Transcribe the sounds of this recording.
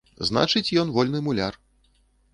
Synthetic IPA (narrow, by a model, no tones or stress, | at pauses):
zna̰t͡ʂɨt͡sʲjɔnvɔlʲnɨmulʲa̰r